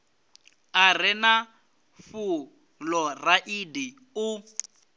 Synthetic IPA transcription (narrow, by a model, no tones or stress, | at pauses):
ar̤ɪna | fu | lɔraʔidi | ʊ